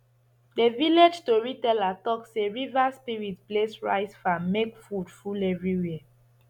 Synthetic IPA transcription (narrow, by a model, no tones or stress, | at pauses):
deviled͡ʒtoɹitɛlatɔkseɹivaspiɹitplesɹa̰ɪsfãmmekfudfulɛvɹiwɛɛ